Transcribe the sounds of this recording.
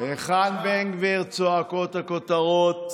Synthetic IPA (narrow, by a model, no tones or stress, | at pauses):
eχanbeŋɡveʁt͡soakot̪hakot̪aʁot̪̚